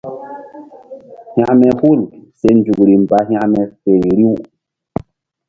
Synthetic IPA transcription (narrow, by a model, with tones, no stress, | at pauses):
ha˨ʔmɛ˨pu˦˨lse˧n˦d͡ʒu˨kɾi˨m˨ba˨ɦʲã˦ʔmɛ˨fe˨n˨ɾi˦w